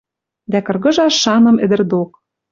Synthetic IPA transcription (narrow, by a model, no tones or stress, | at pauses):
d̪ækɤ̆rɣɤ̆ʒɑʃːɑnɤ̆mɘ̆d̪ɘ̆rd̪ok̚